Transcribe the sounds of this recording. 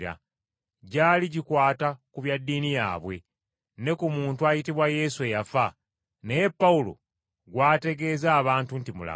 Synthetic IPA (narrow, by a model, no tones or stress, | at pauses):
ɾa̰ | ɟaːliɟikwaːtakuβjadːiːnija̰ːβwe̞ | ne̞kumuːntuajitiβwaje̞ːsue̞jafa | neje̞pːaulo̰ | ɡwaːte̞ɡe̞ːzaːβaːntuntimula̰